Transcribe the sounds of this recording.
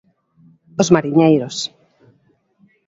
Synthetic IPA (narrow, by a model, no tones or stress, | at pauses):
ozmaɾiɲejɾos